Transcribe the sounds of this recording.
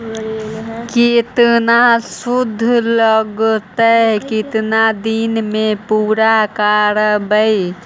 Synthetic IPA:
kit̪nasud̪ʱːləɡt̪əkɪt̪nad̪inmepuːɾakaɾəbəi

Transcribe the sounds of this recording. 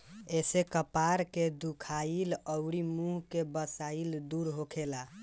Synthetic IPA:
esekəpaɾked̪ukʰailəʊɾimuɦkebəsaild̪uɾɦokʰela

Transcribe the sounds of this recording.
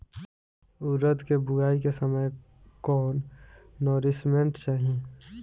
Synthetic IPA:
ʊɾət̪kebʊɡaːikesəməj | kɔːnːɔɾɪsmẽɳʈt͡ʃaɦĩ

